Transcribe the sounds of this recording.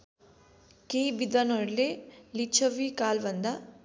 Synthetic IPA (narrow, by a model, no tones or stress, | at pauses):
kejbid̪anɔɾlelit͡ʃʰɐʋikaːlʋɐnd̪ɐ